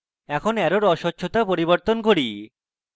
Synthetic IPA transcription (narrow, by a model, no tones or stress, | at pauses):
ɛkʰonɛɾoɾɔʃotːɕʰot̪apoɾiboɾt̪onkoɾi